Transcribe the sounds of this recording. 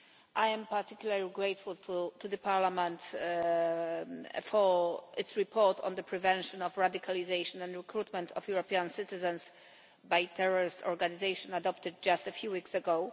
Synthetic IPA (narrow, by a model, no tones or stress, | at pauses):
ʔajɛ̃mpaɹt̪ikjulaɹliɡɹejt̪fult̪ʰut̪ud̪ðəpʰaɹlamɛ̃nt̪ | fɔɪtsɹipʰɔɹt̪ʰɔ̰̃nd̪əpʰɹɛvɛ̃nʃɔ̃nɔfɹad̪ikʰalizejʃɔ̃nɛ̃ndɹɛkɹut̪mɛ̃nt̪ʰɔfjuɹɔpiãnsɪt̪ɪzɛ̃ns | bajt̪ʰɛɹɔɹɪst̪ʰɔɹɡanizejʃɔ̃nadɔpt̪ɨd̚d͡ʒast̪ɛfjuwiksɛɡow